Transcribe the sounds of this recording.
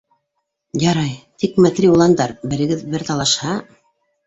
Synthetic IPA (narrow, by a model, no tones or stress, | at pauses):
jɑɾɑjt̪ikmæt̪ɾʲiulˠɑnd̪ɑɾbɘ̆ɾɘ̆ɡɘðbɘɾt̪ɑlˠɑʃhɑ